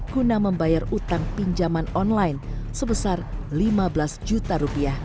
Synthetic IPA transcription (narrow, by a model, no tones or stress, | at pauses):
ɡ̥unaməmbajarut̪aŋpiɲd͡ʒamanɔnlajnsəbəsarlimabəlasd͡ʒut̪aɾupiah